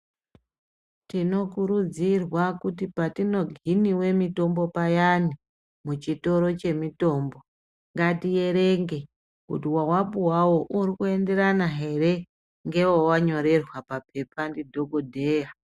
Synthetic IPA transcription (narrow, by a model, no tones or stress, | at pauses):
tino̞kuɾud͡zirwakutipatino̞ɡʱiniwe̞mito̞mbo̞pajani | mut͡ʃito̞ɾo̞t͡ʃe̞mito̞ːmbo̞ | ŋɡatije̞ɾe̞ŋɡe̞ | kutiwawapuwawo̞ʔuɾikue̞nde̞ɾanaɦe̞ɾe̞ | ŋɡe̞wowaɲo̞ɾe̞rwapap̚e̞pandidʱo̞ɡodʱe̞ːja